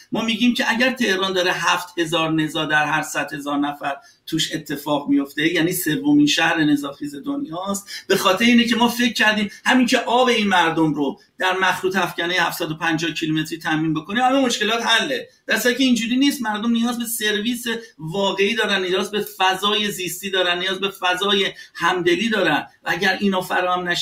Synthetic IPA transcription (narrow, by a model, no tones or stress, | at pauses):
mɒːmiɟiːmcʰe̞ʔæɟæɾt̪ʰe̞hɾɒːnd̪ɒːɾeɦæft̪he̞zɒːɾne̞zɒːd̪æɾɦæɾsæd̪̥he̞zɒːɾnæfæɾ | t̪ʰuːʃe̞t̪ʰːe̞fɒːɣmijo̞ft̪e̞jæːniːse̞vːominʃæhɾe̞ne̞zɒːxiːze̞d̪onjɒːst̪̚b̥e̞xɒːt̪ʰeɾeiːnecʰe̞mɒːfe̞ckʰːæɾd̪iːmhæmiːncʰe̞ʔɒːbe̞iːnmæɾd̪omɾo | d̪̥æɾmæxɾuːt̪ʰæfcænejehæfsæd̪o̞pʰænd͡ʒɒːhcʰilume̞t̪ɾiːt̪ʰæmiːnbe̞ko̞nihælɔmo̞ʃke̞lɒːt̪hælːed̪̥æɾsæɾicʰʲeind͡ʒuːɾiːniːst̪mæɾd̪o̞mnijɒːzbe̞se̞ɾviːsevɒːɣe̞iːd̪ɒːɾænːijɒːzbe̞fæzɒːje̞ziːst̪iːd̪ɒːɾænːijɒːzbe̞fæzɒːjehæmd̪e̞liːd̪ɒːɾændvææɟæɾiːnɒːfæ̰ɾɒːhæmnæʃ